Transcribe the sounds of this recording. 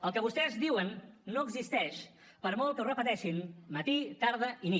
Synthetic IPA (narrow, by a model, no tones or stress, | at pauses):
əlˠkəβust̪ɛzdiwənːoəɡzist̪ɛʃ | pəɾmɔlˠkəurəpət̪ɛʃinmət̪it̪aɾðəini